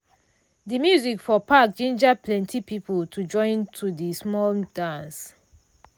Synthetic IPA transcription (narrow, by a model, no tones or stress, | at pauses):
dimjuzikfɔpʰak̚t͡ʃẽnd͡ʒad̚pʰlɛ̃ntʰipipəltʰud͡ʒɔ̃ɪ̃ntʰudismɔldãns